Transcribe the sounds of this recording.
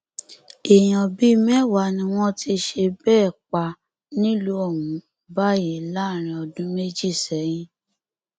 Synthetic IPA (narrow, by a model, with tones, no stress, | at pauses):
e˨j̃ã˨bi˦mɛ̃˦˨wa˨˦nĩ˧w̃ɔ̃˦ti˧ʃe˧bɛː˦˨k͡pa˧ | nĩ˦lu˦ɔ˦˨wũ˨˦ | ba˦ji˨˦la˦˨ɾ̃ĩ˧ɔ˧dũ˦me˦d͡ʒi˦˨sɛ˨˦j̃ĩ˧